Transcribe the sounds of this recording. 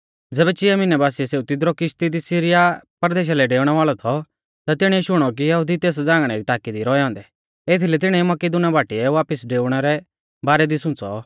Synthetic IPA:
d͡zɛːbɛt͡ʃɪɛmɪnɛbaːsiɛseːut̪ɪd̪ɾɔkɪʃt̪id̪isɪɾɪjapɐɾd̪eːʃ̬alɛɖeːʊɽ̃ɛʋaːɭɔt̪ʰɔ | t̪at̪ɪɽ̃ɛ̃iʃʊɽ̃ɔk̬ijɐɦʊd̪it̪eːs̬d͡zãːŋɡɽ̃ɛɾit̪aːkid̪iɾɔːɛɦɔ̃ːnd̪ɛ | eːt̪ʰilɛt̪ɪɽ̃ɛ̃imɐkid̪ʊnabaːʈiɛʋaːpɪsɖeːʊɽ̃ɛɾɛ | baːɾɛd̪isʊ̃t͡sɔ

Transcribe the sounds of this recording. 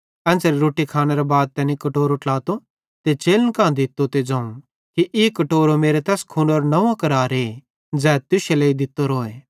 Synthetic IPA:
ɛ̃ːnt͡sɛɾiɾoːʈikʰaːneɾɐbaːd̪̚t̪ɛnĩkɐʈoːɾoʈlaːt̪o | t̪et͡ʃeːlənkãːd̪ɪt̪ːot̪ed͡ʒãːũ | kiʔɪkɐʈoːɾomeːɾet̪ɛːskʰuːnoːɾnɐʋãkɐɾaːɾeː | d͡zɛːt̪ʊʃeleːid̪ɪt̪ːoɾoːeː

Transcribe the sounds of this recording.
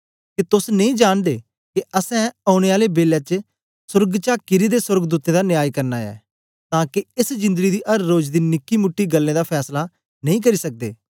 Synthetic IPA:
kit̪ʊsnɐĩːd͡ʒaːñd̪eː | kiəsɛ̃aːʊɽ̃eaːlebeːljat͡ʃ | sʊɾɡt͡ʃaːkɪɾid̪eːsʊɾɡd̪uːt̪ẽd̪anɪaːikɐɾnaːɛ̰ː | t̪ãːkiɪsd͡ʒɪ̃nd̪əɡid̪iːʔɐɾːoːd͡ʒd̪iːnɪkːimʊʈːiːɡəlːẽːd̪aːpʰɛːsla | nɐ̃ĩːk̬ɐɾisək̚d̪ḛː

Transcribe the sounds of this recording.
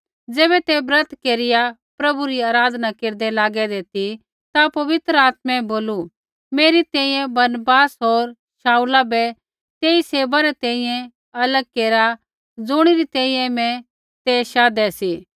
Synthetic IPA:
d͡zɛːbɛt̪ebɾɐt̪keːɾɪjapɾɐbuɾiaːɾaːd̪ʱnakeːɾd̪ɛlaːɡɛd̪eːt̪i | t̪apɐʋɪt̪ɾəaːt̪mɛ̃boːlu | meːɾit̪ɛ̃ːĩjɛ̃bɐɾnbaːsɦoːɾ | ʃaːulabɛ | t̪eːiseːbaɾɛt̪ɛ̃ːĩjɛ̃ | ɐləɡ̚keːɾa | d͡zʊɽ̃iɾit̪ɛ̃ːĩːjɛ̃mɛ̃ | t̪eʃaːd̪ɛsiː

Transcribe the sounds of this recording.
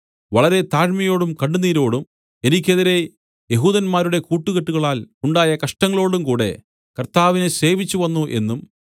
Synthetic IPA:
ʋɐɭɐɾe̞t̪aːɻmɐjo̞ːɽumkɐɳɖuniːɾo̞ːɽum | e̞nikʲːe̞ðiɾe̞ | je̞ɦuːðɐnmaːɾuɽe̞kuːʈːuɣeʈːuɣɐɭaːluɳɖaːjɐkɐʂʈɐŋːɐɭo̞ːɽumkuːɽe̞̰ | kɐrt̪aːʋinese̞ːʋit͡ɕːuʋɐnːuʔe̞̰nːum

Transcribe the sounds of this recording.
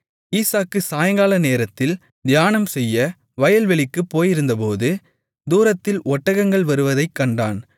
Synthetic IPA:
iːsaːkːɯsaːjɐŋɡaːlɐneːɾɐt̪ːɪl | d̪ɪjaːnɐmsɛjːɐ | ʋɐjɐlʋɛɭɪkːɯpːoːjɪɾɯnd̪ɐpoːðɯ | d̪uːɾɐt̪ːɪlɔʈːɐɣɐŋɡɐɭʋɐɾɯʋɐðɐɪkːɐɳɖa̰ːn

